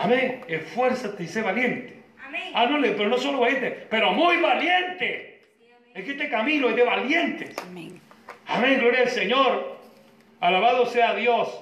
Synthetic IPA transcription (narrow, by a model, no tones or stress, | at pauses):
amẽŋefweɾsat̪eiseβaljent̪e̥anolepeɾonosoloβaljent̪epeɾomujβaljent̪e | ekest̪ekamĩloeðeβaljent̪es | a̰mẽŋɡlo̞ɾjaeseɲoɾ | alaβaðoseaðjos